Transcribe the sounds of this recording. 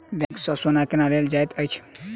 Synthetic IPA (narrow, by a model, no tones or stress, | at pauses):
dɛ̃ksɔsonakenaleld͡ʒajt̪əjt͡ʃʰ